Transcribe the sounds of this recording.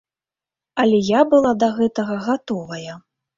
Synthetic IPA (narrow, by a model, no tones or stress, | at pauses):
ɐlʲɛjabɨlˠad̪ɐɣɛt̪ɐɣɐɣat̪ɔvɐjɐ